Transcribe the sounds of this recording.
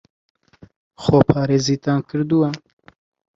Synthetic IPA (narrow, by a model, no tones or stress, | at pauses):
xoːpʰɑːɾeːziːt̪ãːnkʰɨɾd̪uwa